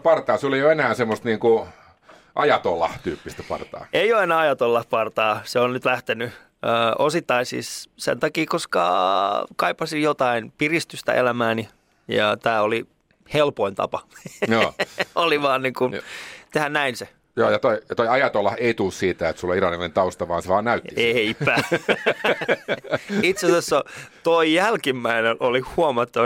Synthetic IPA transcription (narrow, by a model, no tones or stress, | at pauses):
pɑrt̪ɑːseoleijoenæːsemːost̪niːŋku | ʔɑjɑt̪olːɑht̪yːpːist̪æpɑ̰rt̪ɑ̰ːʔeijoenɑːɑjɑt̪olːɑhpɑrt̪ɑːseonnyt̪læht̪eny | əːʔosit̪ːɑisḭssḛnt̪ɑkiːkoskɑ̰kɑipːɑsijjot̪ɑinpirist̪yst̪æ̰ʔḛlæmæːni | jɑ̰t̪æːoli | helpoint̪ɑ̰pɑjoːoliʋɑːnniːŋkunt̪ehænnæinse | joːjɑt̪oijɑt̪oiɑjɑt̪olːɑheit̪ulːssiːt̪æet̪sulːoirɑnilent̪ɑust̪ɑʋɑːnseʋɑːnnæyt̪ːieipæ | it̪sesesːot̪oijælkimːæinenʔolihuɑmɑt̪ːɑ